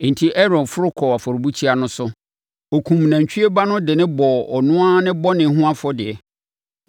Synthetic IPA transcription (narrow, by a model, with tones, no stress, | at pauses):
n̩˨tʰi˦ʔɛ˦ɾɔ̃˨nfʊ˦ɾʊ˦kʰɔ˨a˨fɔ˨ɾbu˦t͡ɕʰi˦a˦nʊ̃˦sʊ˦ | o˨kʰũ˨m˨nã˨ɲ˨t͡ɕʰᶣi˦e˦ba˦nʊ̃˦dɪ˨nɪ̃˦bɔ˨ɔ˨nʊ̃˦a˦nɪ̃˦bɔ˦nɪ̃˨˦ɦʊ̃˦a˦fʊ˦dɪ˨ɛ˨